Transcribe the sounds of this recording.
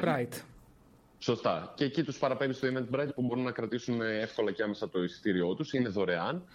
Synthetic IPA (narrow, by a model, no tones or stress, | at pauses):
bɾajt̪ | so̞st̪ɐceːcit̪uspɐɾɐpevist̪oimend̪̚bɾɐjt̪̚pubo̞ɾunːɐkɾɐt̪isune̞fko̞lɐceɐme̞sɐt̪o̞isi̥t̪iɾio̞t̪usine̞ðo̞ɾe̞ɐn